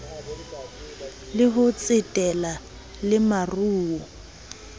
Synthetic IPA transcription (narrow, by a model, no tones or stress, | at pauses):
lɪɦʊt͡sʼɪtʼɛla | lɪmaruːwɔ